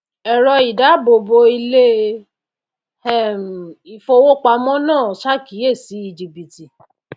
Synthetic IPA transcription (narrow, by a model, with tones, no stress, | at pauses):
ɛ˨ɾɔ˧i˨da˨˦bo˧bo˧i˧le˦ | ɛ˦˨m̩˨i˨fo˧wo˦k͡pa˧mɔ̃˦nãː˦˨ʃa˦ki˨˦e˦˨si˨˦i˧d͡ʒi˧bi˨ti˨